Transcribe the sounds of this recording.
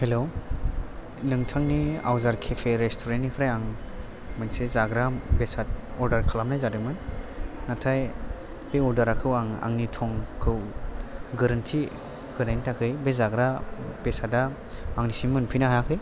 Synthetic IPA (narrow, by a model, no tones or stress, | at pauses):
helo | lɯŋtʰaŋnia̰wzaɾkʰepʰeɾestʰoɾennipʰɾajaŋ | mɯnsezaɡɾabesat̚ɔɾdaɾkʰalamnajzadɯmɯnːatʰaj | b̥eɔɾdaɾakʰɯwaŋa̰ŋnitʰɔŋkʰɯw | ɡɯɾɯntʰi | ɡɯnajntʰakʰɯjbezaɡɾab̥esada | aŋnisiŋmɯnpʰinaɦajakʰɯj